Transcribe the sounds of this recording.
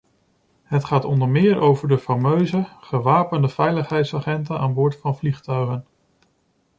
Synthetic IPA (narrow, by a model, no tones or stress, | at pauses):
ɦətχaːtɔndəɹmɪːɹʔowvəɹdəfamøɥzəχəʋaːpəndəv̥ɛjləχɦɛjtsaːχɛntənaːnbʊːɹtfɑnvliχtœɥχən